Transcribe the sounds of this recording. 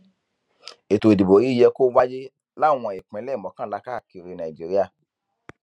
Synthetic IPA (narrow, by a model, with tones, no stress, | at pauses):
e˨to˨di˨bo˨i˦jɛ˧ko˦wa˦d͡ʒe˦ | la˦˨w̃ɔ̃˧e˨k͡pɛ̃˨˦lɛ˦˨mɔ̃˨˦kã˦la˧kaː˦˨ki˧ɾi˧nã˨i˨d͡ʒi˦ɾi˦a˦˨